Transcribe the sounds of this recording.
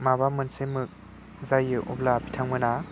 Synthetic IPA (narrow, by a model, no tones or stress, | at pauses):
maβamɯnsemɯk̚ | zajɯʔɔblapʰitʰaŋmɯna